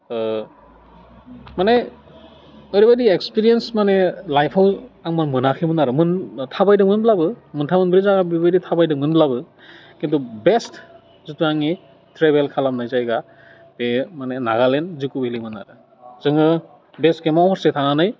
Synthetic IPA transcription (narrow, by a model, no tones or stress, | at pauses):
mane | ɯɾibadiekspiɾijensmanelajpʰawaŋmanmɯnakʰimɯnaɾɯmɯntʰabajdɯmɯnblabɯmɯntʰamɯnbɾizaɡabibaditʰabajdɯmɯnblabɯ | kintʰubest | zutʰuaŋi | tʰɾebelkʰalamnajzajɡa | bemanenaɡalenzikubelimɯna̰ɾɯ | zɯŋɯ | bestkemaɦɔɾsetʰananaj